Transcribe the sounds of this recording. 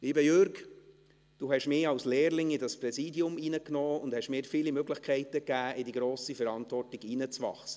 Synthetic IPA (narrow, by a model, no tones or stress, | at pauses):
liːbəjøɾɡ | d̥uːhɛʃmɪːɾɑwsleːɾlɪŋɪdɑsprɛsiːdjʊminəknɔːʊnd̥hɛʃmɪːɾfiːlimøɡlɪχkʰɛɪtəkːæːɪdiɡɾoːsifɛɾɑntvɔrtɪɡinət͡sʋɑ̰χsə̥